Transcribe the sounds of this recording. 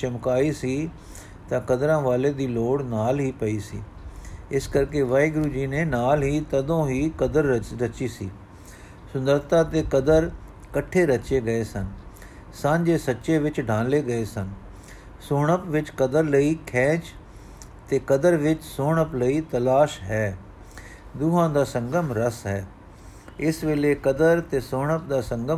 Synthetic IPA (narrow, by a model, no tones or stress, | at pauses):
t͡ʃɐmkaːisi | t̪ɐ̃kɐd̪ɾãːʋaːled̪iːloːɽnaːlɦipɐisḭː | ɪskɐɾkeʋɐːiɡɾud͡ʒiːnenaːlɦit̪ɐd̪õɦikɐd̪əɾɾɐt͡ʃisiː | sʊ̃nd̪əɾt̪ãt̪ekɐd̪əɾ | kɐʈʰeɾɐt͡ʃeɡɐesən | sãːɲd͡ʒeːsətːʃeːʋɪt͡ʃɖʱãːnleːɡəeːsən | soːɳəpʋɪt͡ʃkəd̪əɾləiːkʰɛ̃ːt͡ʃ | t̪eːkəd̪əɾʋɪt͡ʃsoːɳəpləiːt̪əlaːʃɦɛː | d̪uːɦãːd̪aːsə̃ŋɡəmɾəsɦɛː | ɪsʋeːleːkəd̪əɾt̪eːsoːɳəp̚d̪aːsə̃ŋɡə